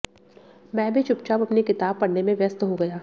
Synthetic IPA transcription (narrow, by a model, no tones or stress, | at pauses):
mɛ̃ːbʱit͡ʃʊp̚t͡ʃaːbɐpnikɪt̪aːb̚pɐɽnemẽʋjɐst̪ɦoɡɐjaː